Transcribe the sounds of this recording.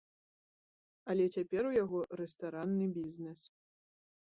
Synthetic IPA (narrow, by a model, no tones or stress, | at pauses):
ɐlʲɛt͡sʲapʲɛɾujaɣɔɾɛst̪aɾanːɨbʲiznɛs